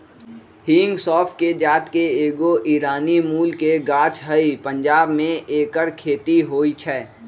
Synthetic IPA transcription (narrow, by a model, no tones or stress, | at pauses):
hĩːŋɡsɔːfʈked͡ʒaːt̪keeːɡoʔiːɾaːnimuːlkeɡaːt͡ʃɦəipə̃ɲd͡ʒaːbmẽʔeːkəɾkʰeːt̪iɦoːit͡ʃʰɛː